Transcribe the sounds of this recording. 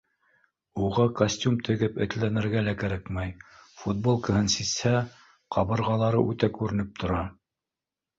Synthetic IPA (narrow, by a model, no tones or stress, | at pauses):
uʁɑkɐsʲtʲumt̪ʰɘ̆ɡɘpɘ̰̆t̪lænɘ̆ɾɡælækæɾækmæjfut̪̚bolˠkəhɤnsishæ | qʰɑβɤ̆ɾʁɑlˠɑɾɤ̰ʔʉt̪ækʉɾɘ̆nɘp̚t̪ʰŏɾɑ